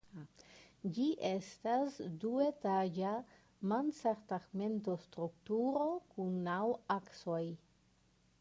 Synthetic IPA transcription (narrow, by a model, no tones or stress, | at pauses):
d͡ʒiʔestasduetad͡ʒa | mansaɾtaɡme̞ntostɾuktuɾo̞kunːawaksoj